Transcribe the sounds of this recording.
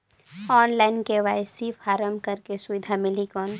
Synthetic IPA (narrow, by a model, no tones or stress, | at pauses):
ɔːnlaːɪnkeʋaːjsifʰaːɾəmkəɾkesʊʋɪd̪ʱamɪlikɔn